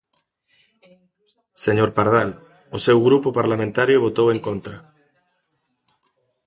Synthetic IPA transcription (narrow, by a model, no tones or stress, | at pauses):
seɲoɾpaɾð̞al | ʊsewɣɾupopaɾlamẽnt̪aɾjoβot̪oweŋkont̪ɾa